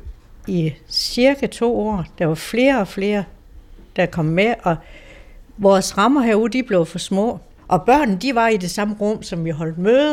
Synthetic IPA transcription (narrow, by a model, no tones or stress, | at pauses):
isiɐɡ̥æt͡sʰo̝̰ːɒ̰ːd̥ɑ̈ʋɑ̈fle̝ːɐɒ̽fle̝ːɐ | d̥ɑ̈kʰɒ̽m̰meʔɒ̽ | ʋɒːsʁɑ̈mɐɦæɐuðˠd̥ib̥le̝ʊfɒ̽smɔ̰̽ː | ʔɒ̽b̥ɶɐ̰nn̩d̥iʋɑ̈id̥e̝sɑ̈məʁɔm̰sɒ̽mʋiɦɒ̽l̰d̥̚mø